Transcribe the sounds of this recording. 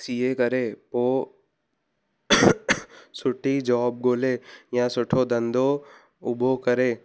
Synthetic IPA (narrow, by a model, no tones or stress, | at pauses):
sijekəɾeːpoː | sʊʈʰid͡ʒɔːb̚ɡoːleːjãsʊʈʰod̪ɐ̃nd̪o | ʊbokəɾeː